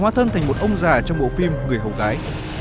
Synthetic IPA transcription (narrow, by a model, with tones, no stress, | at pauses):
hwaː˨˦t̪ʰə˧nt̪ʰa˨˩ŋm˨˩t̚ʔə˧wŋ͡mzaː˨˩t͡ɕɔ˧wŋ͡mɓo̰˧˨fi˧mŋɨ˨˩əjɦə˨˩wɣaː˨˦j